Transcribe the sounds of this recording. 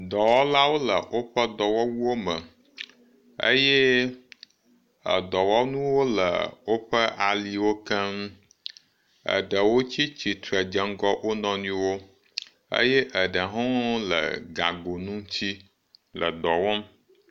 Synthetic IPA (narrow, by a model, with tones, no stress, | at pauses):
d̪ɔ˨wɔ˦la˦wo˦lə˨wo˦ɸə˦d̪ɔ˨wɔ˦wu˦wo˦mə̃˨ | ə̰˦jɛ˦ | ə˨d̪ɔ˨wɔ˦nũ˦wo˦lə̰˨wo˦ɸə˦ʔa˨li˨wo˦kə˦m | ə̰˨ɖə˨wo˦t͡ɕi˦t͡ɕi˨t̪ɾə˨d͡ʒə˨ŋ˦ɡɔ˦wʔo˦nɔ̃˦nĩ˦wo˦ | ə̰˦jɛ˦ʔə˨ɖə˨ɦɔ̃˦lə̰˨ɡa˨ɡo˨nũ˦t͡ɕʰi˦ | lə̰˨d̪ɔ˨wɔ˦m